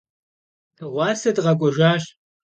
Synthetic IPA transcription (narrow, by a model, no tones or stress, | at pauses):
ʁʷɑːsɐdʁɐkʷʼɔʒaːɕ